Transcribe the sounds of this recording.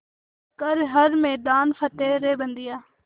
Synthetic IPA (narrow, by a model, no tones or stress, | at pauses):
kəɾɦəɾmɛːd̪aːnfʰət̪eːɾeːbənd̪ɪjaː